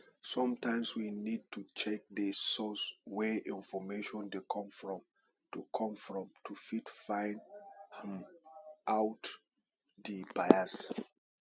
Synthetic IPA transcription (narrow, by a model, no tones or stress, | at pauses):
sɔ̃mtãɪj̃mswinid̚tut͡ʃɛk̚dəsɔswɛʔĩnfɔmeʃɔ̃ndekʰɔ̃mfɹɔ̃m | tukʰɔ̃mfɹɔ̃mtʰufitfãɪnɛ̃mʔawt | dibajas